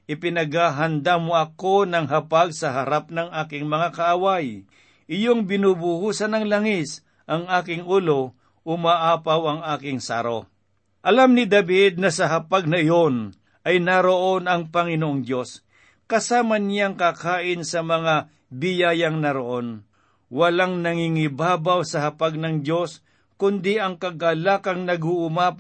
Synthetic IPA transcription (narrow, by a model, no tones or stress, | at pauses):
ʔɪpɪnɐɡaɦɐnd̪amoʔɐko̞nɐŋɦɐpaɡ̚sɐɦɐɾap̚nɐŋʔaːkɪŋmɐŋakɐʔawaj | ʔɪjoŋbɪnuːbʊhuːsɐnɐŋlɐŋɪs | ʔɐŋʔaːkɪŋʔulo | ʔʊmaʔaːpɐwɐŋaːkɪŋsa̰ːɾo | ʔɐlamnɪd̪ɐbɪd̪̚nɐsɐɦɐpaɡ̚nɐjon | ʔɐjnaɾoʔo̞nɐŋpɐŋɪnoʔoŋd̪jo̞s | kɐsaːmɐnjaŋkakaːʔɪnsɐmɐŋa | bɪjaːjɐŋnɐɾoʔo̞n | wɐlaŋnɐŋiŋɪbaːbɐwsɐhɐpaɡ̚nɐŋd̪jo̞s | kʊnd̪iʔɐŋkɐɡalakɐŋnɐɡʊʔʊma